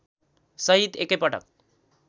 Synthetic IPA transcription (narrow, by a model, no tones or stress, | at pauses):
sʌɦit̪ekepʌʈʌ̰k̚